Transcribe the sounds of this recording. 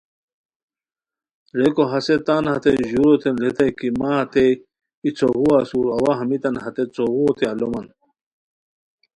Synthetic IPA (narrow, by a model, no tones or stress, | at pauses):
ɾekoɦɐset̪anhɐt̪eʑuɾot̪enlet̪ɐkimaɐt̪e | it͡sʰoɣuasuɾɐwaɦɐmit̪ɐnɦɐt̪et͡soɣuot̪eɐlomɐn